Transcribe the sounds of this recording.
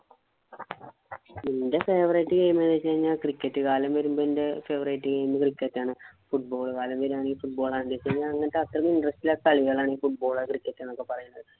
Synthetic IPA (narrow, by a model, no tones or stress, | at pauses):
inde̞fe̞ːʋrɐjʈːɨkɐjumenːet͡ɕːejɲːaːkrikʲːɐtːɨkaːlɐmʋɐɾumboːinde̞fe̞ːʋɐrɐjʈːɨkɐjːumːɨkrikːɐtːaːɳɨfuʈ̚bo̞ːɭkaːlɐmʋɐɾumaːɳiːfuʈ̚bo̞ːɭaːndiet͡ɕːejiɲːaːlɐŋːɐnetːeɐt̪rɐkːinɖrɐstilekɐɭiɣɐɭaːɳiːfuʈ̚bo̞ːɭɐkrikːɐtːaːɳokːe̞pɐrɐjunːɐðɨ